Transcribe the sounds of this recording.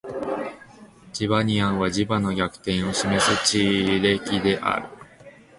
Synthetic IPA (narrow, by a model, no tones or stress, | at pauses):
d͡ʑiβaɲ̟iãɰ̃βad͡ʑibano̞ɡʲakɯ̟̥t̪ẽ̞ɰ̃o̞ɕime̞sɨt͡ɕiːɾe̞ːkʲid̪e̞ʔa̰ɾɯ̟